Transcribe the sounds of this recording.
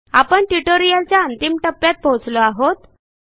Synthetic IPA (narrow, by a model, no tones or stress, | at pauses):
apəɳʈuʈoɾijalt͡ɕjaənt̪imʈəpːjat̪̚bʱot͡sloaɦot̪